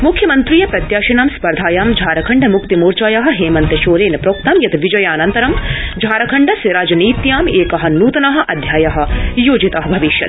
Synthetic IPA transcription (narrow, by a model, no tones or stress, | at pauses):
mukʰjɐmɐnt̪ɾijɐpɾɐt̪jaːʃɐnaːmspɐɾd̪ʱaːjaːmd͡ʒʱaːɾɐkʰɐɳɖɐmukt̪imoːɾt͡ʃaːjaɦɐ̆ɦeːmɐnt̪ɐʃoːɾeːnɐpɾoːk̚t̪ɐːmjɐt̪ɐʋid͡ʒɐjaːnɐnt̪ɐɾɐmd͡ʒʱaːɾɐkʰɐɳɖɐsiɾaːd͡ʒɐniːt̪jaːmeːkɐɦɐ̆nuːt̪ɐnɐɦɐ̆ʔɐd̪ʱjaːjɐɦɐ̆joːd͡ʒit̪aːɦɐbʱɐʋiʃjɐ̰t̪